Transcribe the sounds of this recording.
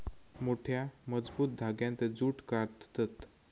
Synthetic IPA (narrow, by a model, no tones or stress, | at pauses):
moʈʰjaməd͡zbuːt̪̚d̪ʱaɡjãnt̪ed͡zuːʈkaɾt̪t̪ət̪